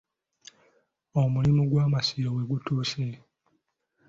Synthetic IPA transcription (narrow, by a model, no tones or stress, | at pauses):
omulimuɡwaːmasijowe̞ɡutuːse